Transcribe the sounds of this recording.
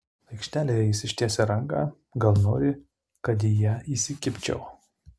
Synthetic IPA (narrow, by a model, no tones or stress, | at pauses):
ɐɪkʃʲt̪ʲæːlʲeːjɛjɪsʲɪʃʲt̪ʲiɛsʲɛɾɐŋɡɑ̰ˑ | ɡɐlˠnoːɾʲɪ | kɐt̪̬ijɛiːsʲɪkʲɪpʲt͡ʃʲɛ̰ʊ